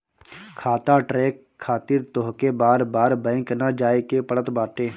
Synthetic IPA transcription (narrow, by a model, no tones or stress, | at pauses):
kʰaːt̪aʈɾeːkʰːaːt̪ɪɾt̪oɦkebaːɾbaːɾbɛ̃ːŋknad͡ʒaːekepəɽət̪baːʈeː